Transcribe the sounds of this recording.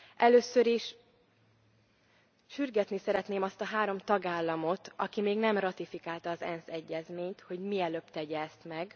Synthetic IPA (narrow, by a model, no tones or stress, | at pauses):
ʔɛløːsøɾiʃ | ʃyrɡɛt̪nisɛɾɛt̪neːmɒst̪ɒɦaːɾo̞mt̪ɒɡaːlːɒmo̞t̪ɒ̰kimeːɡnɛmrɒt̪ifikaːlt̪ɒːzɛnsɛɟːɛzmeːɲt̪ho̞ɟmiɛløpt̪ɛɟɛːst̪mɛɡ